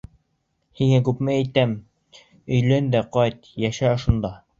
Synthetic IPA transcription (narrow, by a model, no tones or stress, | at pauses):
hiŋækʉpmɘæjt̪æm | ɵ̆jlænd̪æqɑjt̪jæʃæŏʃŭnd̪ɑ